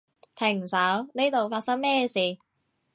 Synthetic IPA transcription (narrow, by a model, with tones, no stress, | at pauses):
t̪ʰɪ˨˩ŋsɐ˨˥wne˥t̪o˨wfaː˧t̚sɐ˥ŋmɛː˥siː˨˩